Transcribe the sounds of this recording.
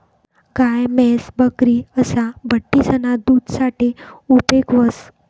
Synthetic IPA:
kajmɛsbəkɾiəsabəʈːisənad̪uːd̪saʈiupekʋəs

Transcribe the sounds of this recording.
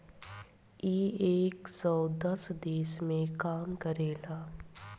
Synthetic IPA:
iːeːksɔːd̪əsd̪eːsmẽkaːmkəɾeːlaː

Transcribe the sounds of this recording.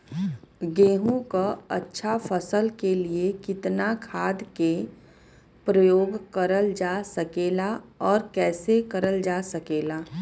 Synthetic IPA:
ɡeːɦũkaɐ̰tːʃʰafəsəlkeliekɪt̪nakʰaːd̪ke | pɾəjoːɡkəɾəld͡ʒaːsɐkeːlaɔːɾkɛːsekɐɾəld͡ʒaːsɐkeːlaː

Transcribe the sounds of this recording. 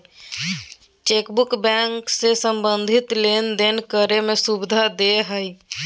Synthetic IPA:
t͡ʃekbukbɛ̃ŋksesəmbənd̪ʱit̪lend̪enkəɾemẽsubɪd̪ʱad̪eɦəj

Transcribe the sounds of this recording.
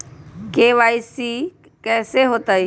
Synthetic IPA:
keːʋaːisiː | kɛːseɦoːt̪ai

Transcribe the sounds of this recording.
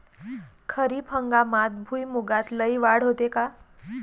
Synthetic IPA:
kʰəɾipʰəŋɡamat̪bʱujmuɡat̪ləjʋaɽɦot̪eka

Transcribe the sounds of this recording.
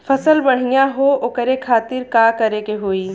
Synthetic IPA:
fɐsəlbɐɽ̤ijaɦookəɾekʰaːt̪ɪɾkaːkɐɾekeɦoːiː

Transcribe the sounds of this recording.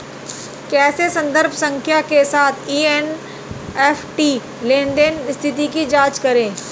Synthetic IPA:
kɛːsesɐ̃nd̪əɾbʱsɐ̃ŋkʰjakesaːt̪ʰiːen | eːfʈiː | lẽːɳɖenɪst̪ʰɪt̪ikid͡ʒaːt͡ʃkɐɾẽː

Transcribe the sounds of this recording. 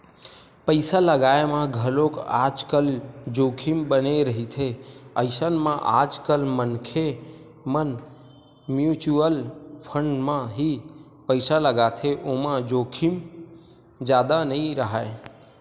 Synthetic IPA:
pəɪsaləɡaemãɡʱəlokad͡ʒkəld͡ʒokʰimbəneɾəɦit̪ʰeəɪsənmãʔa̰d͡ʒkəlmənkʰe | mən | mjut͡ʃuəlpʰəɳɖmãɦi | pəɪsaləɡat̪ʰeʔomãd͡ʒokʰim | d͡ʒaːd̪anəĩɾəɦae

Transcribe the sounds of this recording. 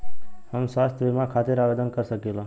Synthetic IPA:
həmswast̪ʰjʋimakʰaːt̪ɪɾaʋed̪ənkəɾsəkila

